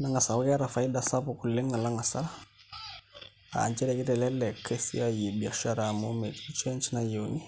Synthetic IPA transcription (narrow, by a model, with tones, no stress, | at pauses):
naŋa˨sa˨u˦kɛ˦ɾafa˨ida˨sa˦puku˨lɛ˦ŋa˨la˦ŋa˨sa˦la | a̰˨nt͡ʃɛ˦ɾɛki˦tɛlɛlːɛ˨kʰe˦si˦a˦ji˨bi˨aʃa˦ɾamo˦me˨d͡ʒit͡ʃɛ˦nt͡ʃinajoni˦